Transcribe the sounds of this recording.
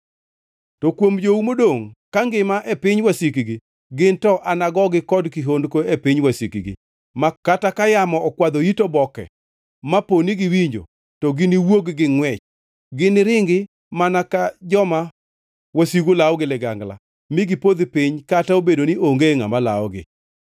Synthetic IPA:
tɔkwomd͡ʒoumodoŋkaŋɡɪmaʔepɪɲwasikiɡi | ɡɪntɔʔanaɡɔɡɪkɔdkɪɦondkoepɪɲwasikiɡḭ | makatakajamɔɔkwad̪oitobɔkɛ̰ | maponiɡɪwiɲd͡ʒo̰ | tɔɡɪniwoɡɡɪŋwɛt͡ʃ | ɡɪnɪɾɪŋɡɪ | manakad͡ʒɔma | wasiɡolaɔɡɪlɪɡaŋɡla̰ | mɪɡɪpod̪pɪɲkataobedoniʔoŋɡeŋa̰mala̰ɔ̰ɡɪ̰

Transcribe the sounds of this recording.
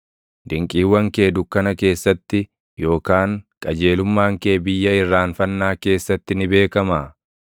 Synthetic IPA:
d̪ɪŋkʼiːwːɐŋke̞ːd̪ʊkːɐnɐke̞ːsːɐt̪ːɪ | jo̞ːkaːŋkʼɐd͡ʒeːlʊmːaːŋke̞ːbɪjːɐɪrːaːnfɐnːaːke̞ːsːɐt̪ːɪnɪbe̞ːkɐmaː

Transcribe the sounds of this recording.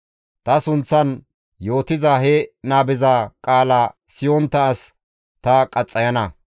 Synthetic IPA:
t̪ɐsʊnt͡sːɐn | jo̞ːt̪ɪzaɦɛnaːbɪzakʼaːlaːsɪjɔnt̪ːɐːs | t̪ɐkʼɐt͡sʼːɐjɐnɐ

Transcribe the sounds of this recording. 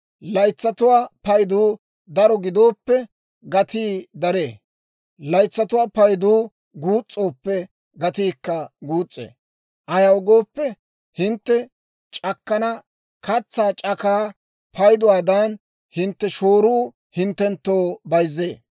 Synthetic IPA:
lɐjt͡sːɐt̪ʊwaːpɐjd̪uː | d̪ɐɾɔɡɪd̪o̞ːpːɛ | ɡɐt̪iːd̪ɐɾeː | lɐjt͡sːɐt̪ʊwaːpɐjd̪uː | ɡuːt͡sʼːo̞ːpːɛ | ɡɐt̪iːkːɐɡuːt͡sʼːḛː | ʔɐjɐʊɡo̞ːpːɛ | hɪnt̪ːɛ | t͡ʃʼɐkːɐnɐ | kɐt͡sːaːt͡ʃʼɐkaː | pʰɐjd̪ʊwaːd̪ɐn | hɪnt̪ːɛʃo̞ːɾuː | hɪnt̪ːɛnt̪ːo̞ːbɐjzːeː

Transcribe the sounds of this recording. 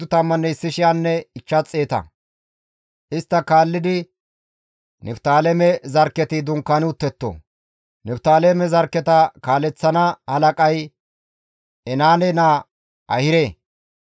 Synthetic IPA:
ʊt̪ɐmːɐnːɛɪsːɪʃɪjanːɛɪt͡ʃːɐt͡sʼːeːt̪ɐ̰ | ʔɪst̪ːɐkaːlːɪd̪ɪ | nɛft̪aːlɛmɛzɐɾkːɛt̪ɪd̪ʊŋkːɐnʊt̪ːɛt̪ːo̰ | nɛpt̪aːlemɛzɐɾkːɛt̪ɐkaːlɛt͡sːɐnɐhɐlɐkʼɐj | ɛnaːnɛna | ɐ̰hɪɾeː

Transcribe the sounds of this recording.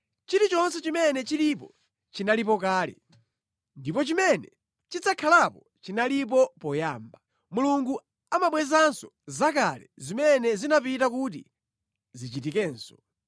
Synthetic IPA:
t͡ʃiɾit͡ʃɔnsɛt͡ʃimɛnɛt͡ʃilipɔ | t͡ʃinalip̬ɔkaːlɛ̰ | ndipɔt͡ʃimɛnɛ | t͡ʃit͡sakʰalapɔ | t͡ʃinalip̬ɔpɔjaːmba | muluŋɡu | amaɓwɛzansɔ̥zakalɛzimɛnɛzinapitakut̬ḭ | zit͡ʃitikɛːnsɔ̥

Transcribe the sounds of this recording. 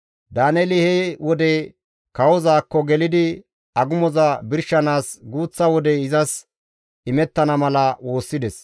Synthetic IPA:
d̪aːnɛlɪhewɔd̪ɛ | kɐwɔzaːkːɔɡɛlɪd̪ɪ | ɐɡʊmɔzɐbɪɾʃːɐnaːsɡuːt͡sːɐwɔd̪ɛɪzɐs | ɪmɛt̪ːɐnɐmɐlɐwo̞ːsːɪd̪ɛs

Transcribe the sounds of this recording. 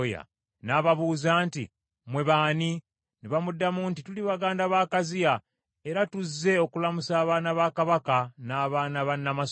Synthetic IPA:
ja̰ | naːβaβuːzaːnti | mwe̞βaːni | neβamudːamuntituliβaɡaːndaβaːkazija | e̞ɾatuzːe̞o̞kulamusaːβaːnaβaːkaβakanaːβaːnaβanːamas

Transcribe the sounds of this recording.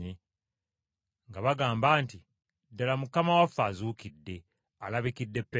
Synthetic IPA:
i | ŋɡaβaɡaːmbaːnti | dːalamukamawafːaːzuːkidːe̞ | alaβikidːe̞pːe

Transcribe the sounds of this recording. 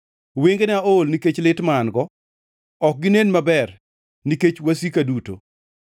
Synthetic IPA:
weŋɡenɛaolniket͡ʃlɪtmaːnɡɔ | ɔk̚ɡɪnenmabɛr | niket͡ʃwasikaduto̰

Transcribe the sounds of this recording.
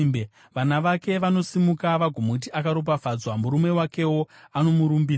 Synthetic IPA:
mbe | ʋanaʋake̞ʋanosimukaʋaɡʱomut̬iʔakaɾo̞p̬afad͡zwamuɾume̞wake̞wo̞ano̞muɾumbiː

